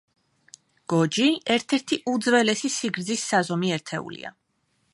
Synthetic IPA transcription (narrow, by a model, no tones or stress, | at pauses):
ɡ̥ɔd͡ʒiɛɾt̪ʰɛɾt̪ʰiʔud̪zvɛlɛsisiɡɾd̪zisːazɔmiɛɾt̪ʰɛṵlḭa̰